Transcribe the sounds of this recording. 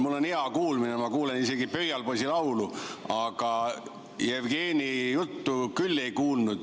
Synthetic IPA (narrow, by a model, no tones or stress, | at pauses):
mulːo̞niɑkuːlminemɑkuːle̞nise̞ɡipøhjɑlposʲilɑwluɑɡ̥ɑ | jevɡe̞ːnʲijut̪ːukylːe̞jkuːlnud̪̥